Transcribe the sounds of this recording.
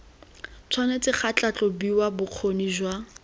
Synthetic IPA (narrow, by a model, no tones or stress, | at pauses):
t͡sʰwanet͡sʼɪχat͡ɬat͡ɬʼɔbiwabʊq͡χʰoniʒwa